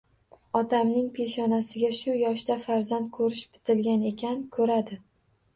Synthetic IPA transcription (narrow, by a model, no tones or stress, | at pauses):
ɒt̪ʰamnɪŋpʰe̞ʃɒnasɪɡʲaʃʊjɒʃd̪afaɾzand̪̚kʰɵɾɪʃbɪ̥t̪ʰɪlɡʲane̞kʲʰankʰɵɾad̪ɪ